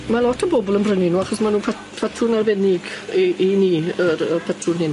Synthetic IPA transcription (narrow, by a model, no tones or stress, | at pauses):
malɔtʰəbɔbɔlˠənbrəninuːaχɔsmanuːpʰa | pʰɛtʰrʊnarvɛnɪɡiʔiniːəɾəpʰɛtʰrʊnhɪn